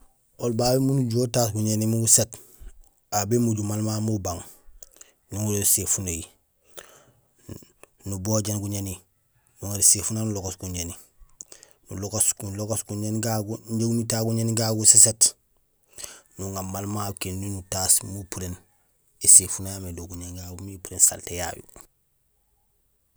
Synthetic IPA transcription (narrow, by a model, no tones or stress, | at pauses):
olbabemunuɟotaːs̬ɡuɲenimuɡuset | abemuɟumalmamubaŋ | nuŋulosefunoji | nuboɟenɡuɲeni | nuŋaɾisefunanuloɡosɡuɲeni | nuloɡoskuloɡosɡuɲenɡaɡuɟeɡumitaɡuɲeniɡaɡuseset | nuŋamalmakennunutasmupuɾen | esefunajamedoɡuɲenɡaɡumiupuɾensa̰lteja̰jṵ